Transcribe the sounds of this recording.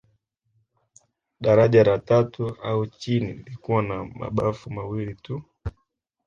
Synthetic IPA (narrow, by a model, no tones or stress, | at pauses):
ɗaɾaʄaɾatatuaut͡ʃiniilikuwanama̰ɓafumawilitu